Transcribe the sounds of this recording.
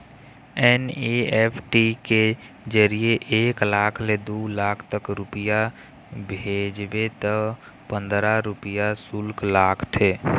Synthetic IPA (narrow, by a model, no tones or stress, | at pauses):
ɛneepʰʈike | d͡ʒəɾijeʔeːklaːkʰled̪ulaːkʰt̪əkɾupija | bʱed͡ʒbet̪ə | pə̃nd̪ɾaɾupijasulklakʰt̪ʰe